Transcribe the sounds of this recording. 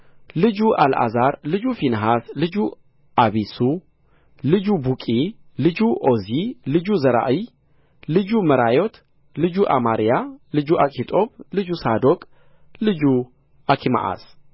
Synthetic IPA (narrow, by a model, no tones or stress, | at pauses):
lɨd͡ʒuʔalʔa̰zaɾlɨd͡ʒufinɦaslɨd͡ʒu | ʔaβisu | lɨd͡ʒubukʼi | lɨd͡ʒuʔozilɨd͡ʒuzɐɾa̰ʔɨ | lɨd͡ʒumɐɾajot̪ | lɨd͡ʒuʔamaɾijalɨd͡ʒuʔakʼit̪ʼo̞blɨd͡ʒusad̪okʼ | lɨd͡ʒu | ʔakʰima̰ʔa̰s